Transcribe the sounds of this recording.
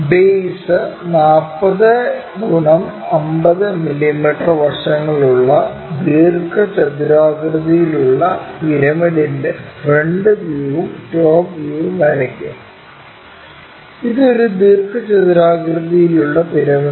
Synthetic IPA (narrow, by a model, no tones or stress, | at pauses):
beːsɨnaːrpːɐðɨ | ɡ̪uɳɐm | ɐmbɐðɨmilːimiʈːɐrʋɐrʂɐŋːɐɭuɭːɐ | d̪iːrkʰɐt͡ɕɐd̪ɾaːɡɾɨðijiluɭːɐpiɾɐmɐɽindefreɳɖɨd̪iːʋumʈoːbjuːʋumɐɾɐkʲːu | iðɨo̞ɾud̪iːrkɐt͡ɕɐt̪ɾaːɡrɨðijiluɭːɐpiɾɐmɐ